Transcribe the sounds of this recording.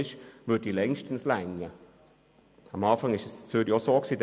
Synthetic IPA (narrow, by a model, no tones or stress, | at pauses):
ɪʃʋʉːɾdilɛŋʃtən̩slɛŋə | əmɑːfaŋɪʃɛssyːɾjosoːksiːd